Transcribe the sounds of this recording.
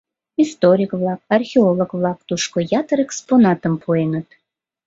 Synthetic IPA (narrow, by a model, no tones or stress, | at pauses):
ist̪oɾʲikβlɑk̚ɑrxʲeolˠokβlɑk̚t̪uʃkojɑt̪əɾeksponɑt̪əmpʰuenət̪